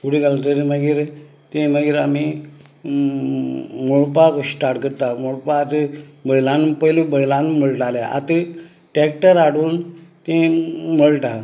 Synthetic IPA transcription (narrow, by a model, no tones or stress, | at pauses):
kuɽiɡalt̪əɾiməɡiːɾ | t̪ẽməɡiːɾami | moɭpaksʈaɾʈkəɾt̪amoɭpaːt̪əbəjlãnpəjlubəjlãnməɭʈaljaʔa̰t̪ə | ʈɛk̚ʈəɾaɽuːnt̪ẽməɭʈa